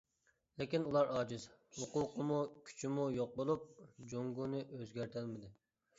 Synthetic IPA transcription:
lekʲinulˠɑɾɑːd͡ʒizhuquqəmukʲʰy̥t͡ʃʰimujoq̚bolˠup̚d͡ʒoŋɡunɨʔøzɡʲæɾt̪ʰælmɪd̪ɪ

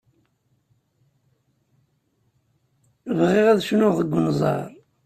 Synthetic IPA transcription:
vʁɪʁæðʃnʊʁðəɡʷːənzˤɑ̰ɾˤ

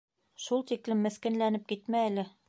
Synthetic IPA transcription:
ʃulˠt̪iklɘmːɘ̆θkɘ̆nlænɘp̚kit̪mæːlɘ

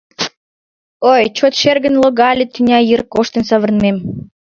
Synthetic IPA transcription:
ojt͡ɕot̪ʃerɣənloɣɑlʲit̪ynʲɑjirkoʃt̪ə̆nsɑβə̆rnmem

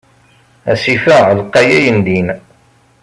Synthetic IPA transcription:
æ̰sifæʁəlqːɑjæjənd̪in

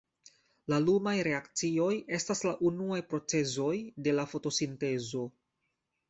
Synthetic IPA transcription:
lalumajɾe̞akt͡sio̞je̞staslaʔunuajpɾo̞t͡se̞zo̞jde̞lafo̞to̞sinte̞zo̞

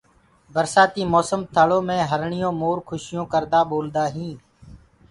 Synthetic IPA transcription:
bəɾsaːt̪iːmɔːsəmt̪ʰəɭõːmẽːɦəɾɳɪjõːmoːɾkʰʊʃɪjõːkəɾd̪aːɓoːld̪aːɦĩː

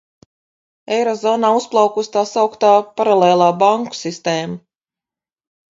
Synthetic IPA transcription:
ejɾɔzɔːnaːusplˠɑwkust̪aːsawkt̪aːpaɾalˠeːlˠaːbaŋku̥sist̪eːma

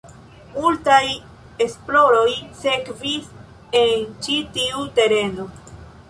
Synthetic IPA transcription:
multaj | e̞splo̞ɾo̞jse̞kvis | e̞nt͡ʃitiute̞ɾe̞no̞

